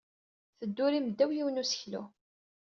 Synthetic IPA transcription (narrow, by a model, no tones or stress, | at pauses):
θəd̪ːʊɾiməd̪ːæwjiwənusə̥çlṵ